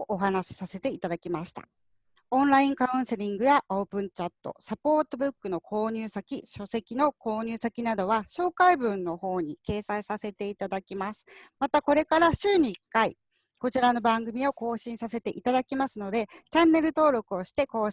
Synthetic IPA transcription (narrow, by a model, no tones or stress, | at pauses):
ʔoɦanaɕi̥sase̞t̪e̞it̪ad̪akʲimaɕi̥t̪a̰ | õ̞nɾaĩŋkaɯ̟̃ɰ̃se̞ɾʲĩŋɡɯ̟jaʔo̞ːpɯ̟̃ɲt͡ɕat̪ːo̞̰sapo̞ːt̪o̞bɯ̟kːɯ̟no̞kʰo̞ːɲ̟ɨːsakʲiɕo̞se̞kʲino̞ko̞ːɲ̟ɨːsakʲinad̪o̞βaɕo̞ːkaibɯ̟̃nːo̞ho̞ːɲ̟ike̞ːsaisase̞t̪e̞it̪ad̪akʲimasɨ̥mat̪ako̞ɾe̞kaɾaɕɨːɲ̟iːkːai | ko̞t͡ɕiɾano̞bãŋɡɯ̟mʲio̞ko̞ːɕĩɰ̃sase̞t̪e̞̰ʔit̪ad̪akʲimasɨno̞d̪e̞t͡ɕãnːe̞ɾɯ̟t̪o̞ːɾo̞kɯ̟o̞ɕi̥t̪e̞ko̞ː